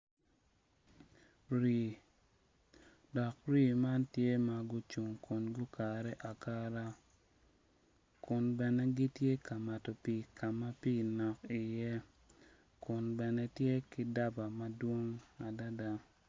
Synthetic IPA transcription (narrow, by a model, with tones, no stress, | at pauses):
ɾi˨ | dɔ˨kɾi˦˨ma˦ntje˦ma˨ɡʊ˦t͡ʃu˨ŋkʊ˨nɡʊ˦ka˨ɾɛ˦ʔa˨ka˦ɾa˦ | kʊ˨nbɛ˨nɛ˦ɡi˦tje˦ka˨ma˨tɔ˨pi˨kʰa˨ma˦pi˦˨nɔ˨ki˨jɛ˦ | kʊ˨nbɛ˨nɛ˦tje˦ki˦da˦ba˨ma˦dwo˦ŋa˨da˦da˦